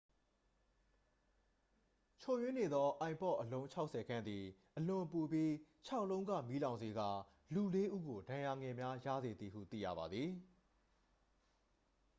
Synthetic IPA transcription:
t͡ɕʰo˨jwɪ̃˦ne˨d̪ɔ˦ʔã˨ɪ̃mpɔ̰˦˨ʔəlõ˦ʊ̃ɲt͡ɕʰa˦ʊʔsʰɛ˨ɡã˦nd̪i˨ʔəlʊ̃˨pu˨bji˦t͡ɕʰa˦ʊʔlõ˦ʊ̃ŋɡä̰˦˨mi˦lã˨nze˨ɡa̰˦˨ | lu˨le˦ʔu˦ɡo˨dã˨ja˨ŋɛ̃˨mja˦jä̰˦˨ze˨d̪ði˨ɦṵ˦˨t̪ḭ˦˨jä̰˦˨ba˨d̪ði˨

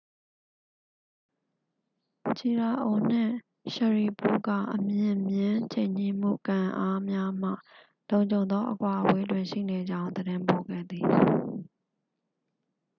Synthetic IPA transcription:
t͡ɕʰi˨ɹa˨ʔo˨n̥ɪ̰̃˦˨ | ʃə˨ɹi˨pṵ˦˨ɡä̰˦˨ʔəmjɪ̃˨mjɪ̃˦t͡ɕʰẽ˦˨ɲ̥i˦˨m̥ṵ˦˨kã˨ʔa˦mja˦m̥ä̰˦˨ | lõ˨ʊ̃ɲd͡ʑõ˨ʊ̃nd̪ðɔ˦ʔəkwa˨ʔəwe˦dwɪ̃˨ʃḭ˦˨ne˨d͡ʑã˦ʊ̃nd̪əɾɪ̃˦mpo˨ɡɛ̰˦˨d̪i˨

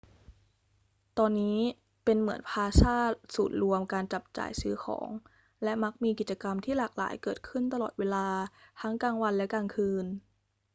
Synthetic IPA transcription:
t̪ɔː˧nːiː˦˥ | pe˧nmɯ˩˦ənpʰaː˧saː˥˩t̪̚suː˨˩t̪̚ɾu˧əmkaː˧nt͡ɕa˨˩p̚t͡ɕa̰ː˨˩jsɯː˦˥xʰɔ̰ː˩˦ŋ | lɛ˦˥ma˦˥k̚miː˧ki˨˩t̪̚t͡ɕa˧ka˧mt̪ʰiː˥˩laː˨˩k̚la̰ː˩˦jkɤː˨˩t̪̚kʰɯ˥˩nt̪a˧lɔː˨˩t̪̚weː˧laː˧t̪ʰa˦˥ŋkaː˧ŋwa˧nlɛ˦˥kaː˧ŋkʰɯː˧n

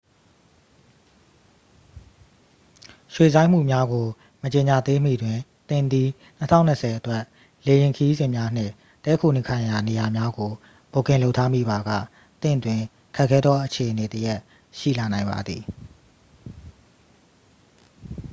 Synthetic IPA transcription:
ʃwe˨zã˦m̥ṵ˦˨mja˦ɡo˨ | mət͡ɕe˨ɲa˨d̪e˦m̥ḭ˦˨dwɪ̃˨ | t̪ɪ̃˦˨nd̪i˦ | n̥ə˦tʰã̰˦ʊ̃˨nə˨sʰɛ˨ʔətwɛ˦˨ʔ | le˨jɪ̃˨ŋkʰəji˦zɪ̃˨mja˦n̥ɪ̰̃˦˨ | tɛ˦kʰo˨nɪ̃˨kʰã˨ja˨ne˨ja˨mja˦ɡo˨ | b̥o˨kɪ̃˨lo˦ʊʔtʰːa˦mḭ˦˨ba˨ɡä̰˦˨ | t̪ɪ̰̃˦˨twɪ̃˨ | kʰɛ˦ʔkʰɛ˦d̪ɔ˦ʔət͡ɕʰe˨ʔəne˨təja˦ʔ | ʃḭ˦˨la˨nã˨ɪ̃mba̰˨d̪ði˨

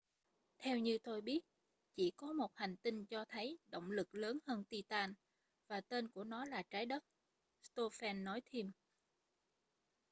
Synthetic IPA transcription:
t̪ʰɛ˧wɲɨ˧t̪o˧jɓi˦˥ət̚ | t͡ɕḭ˧˩kɔ˨˦mo˨˩t̚ha˨˩jŋ̟t̪i˧ŋ̟t͡ɕɔ˧t̪ʰə˨˦jɗo̰˧˨wŋ͡mlɨ˨˩k̚ləː˨˦nhəː˧nt̪i˧t̪aː˧n | vaː˨˩t̪e˧nku˧˩ənɔ˨˦laː˨˩t͡ɕaː˨˦jɗə˦˥t̚ | st̪o˧fɛ˧nːɔ˨˦jt̪ʰi˧m

